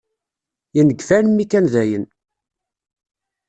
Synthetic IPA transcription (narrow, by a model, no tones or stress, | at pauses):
jinəɡfænmːikænðæjən